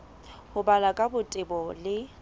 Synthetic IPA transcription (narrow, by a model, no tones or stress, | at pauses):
hʊbalakʼabʊtʼɪbɔlɪ